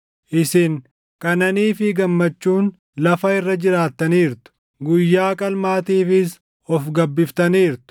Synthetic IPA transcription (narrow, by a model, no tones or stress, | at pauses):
ʔɪsɪŋ | kʼɐnɐniːfɪɡɐmːɐt͡ʃːuːn | lɐfɐɪrːɐd͡ʒɪɾaːt̪ːɐniːɾt̪ʊ̥ | ɡʊjːaːkʼɐlmaːt̪iːfɪs | ɔfɡɐbːɪft̪ɐniːɾt̪ʊ̥